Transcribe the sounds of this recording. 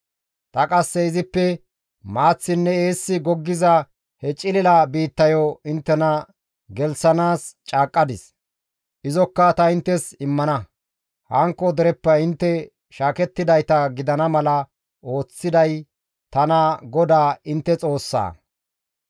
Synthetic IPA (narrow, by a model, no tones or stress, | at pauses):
t̪ɐkʼɐsːɛɪzɪpːɛ | maːt͡sːɪnːɛeːsːɪɡɔɡːɪzɐ | hɛt͡ʃʼɪlɪlɐbiːt̪ːɐjɔɪnt̪ːɛnɐ | ɡɛlsɐnaːst͡ʃʼaːkʼːɐd̪ɪs | ʔɪzɔkːɐt̪ɐɪnt̪ːɛsɪmːɐnɐ | hɐŋkːɔd̪ɛɾɛpːɐɪnt̪ːɛ | ʃaːkɛt̪ːɪd̪ɐjt̪ɐɡɪd̪ɐnɐmɐlɐ | o̞ːt͡sːɪd̪ɐj | t̪ɐnɐɡɔd̪aːɪnt̪ːɛt͡sʼo̞ːsːa̰ː